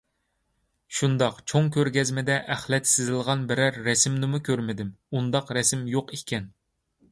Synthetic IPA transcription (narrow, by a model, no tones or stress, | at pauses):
ʃund̪ɑqt͡ʃʰoŋkʲøɾɡʲɛzmɪd̪ɛʔæχlɛt̪sɪzɪlˠʁɑnbɪɾæɾːɛsɪmnɪmukʲøɾmɪd̪ɪmund̪ɑqɾɛsɪmjoqikʲɛn